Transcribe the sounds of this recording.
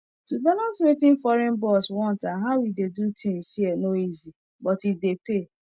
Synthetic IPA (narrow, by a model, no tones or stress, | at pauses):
tubalãnswetɪ̃nfɔɾɛ̃nbɔswɔ̃ntaɦaʊwidedutʰɪ̃ŋsienoizi | bɔtidepe